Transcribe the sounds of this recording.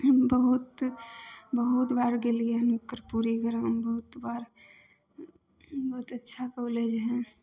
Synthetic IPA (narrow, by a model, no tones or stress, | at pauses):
ɦəmbəɦut̪ | bəɦut̪baɾɡelieənokəɾpuɾikəɾəmbəɦut̪baɾ | bəɦut̪ətːʃʰakəlɛd͡ʒɦɛ̃